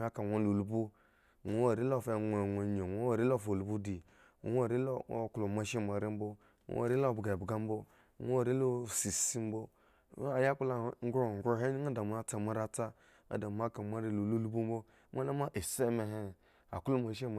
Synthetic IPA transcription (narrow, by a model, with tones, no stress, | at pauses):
a˦ka˨ŋʷo˦lu˨lu˨˦bu˦˨ | ŋo˨˦o˦˨ɾi˦lo˦˨fe˨ŋ˨ŋo˨ɲo˨ŋo˨˦o˦˨ɾi˦lo˦˨fo˨lu˨bu˦di˨ | wʷo˦˨ɾi˦o˦o̰˦˨klo˨ma˨˦ʃe˦m˨a˨ɾi˦m̩˦bo̰˦˨˦ | o̰˨ɾi˦lo˦˨bɡa˨bɡa˦m˦bo˦˨ | ŋ˦o˦˨ɾi˦lo˦˨si˨si˦m˦bo˦ | a˨ja˦ku˦la˨ŋ˦ɡɾo˦˨ɡɾo˦ɦe˦n˦a˦da˨m˨˦a˨t͡sa˨ma˦ɾa˦t͡sa˦ | a̰˨da˨m˦a˦ka˨ma˦ɾi˦lu˨lu˦lu˦bu˦m˦bo˦ | mʷ˦a˦la˦ma˦ʔi˨se˦me˨ɦe˦˨ | a˨klo˦ma˨ʃe˦m˨